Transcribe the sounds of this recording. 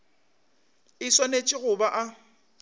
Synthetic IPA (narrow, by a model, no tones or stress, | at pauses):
ɪswanet͡ʃʼɪɣʊbaʔa